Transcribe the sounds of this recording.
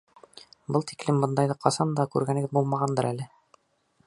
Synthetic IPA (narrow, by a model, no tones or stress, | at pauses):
bɤlˠt̪i̥klɘmbɤ̆nd̪ɑjðɤqʰɑsɑnd̪ɑkʉɾɡænɘ̆ɡɘðbulˠmɑʁɑnd̪ɤɾʔælɘ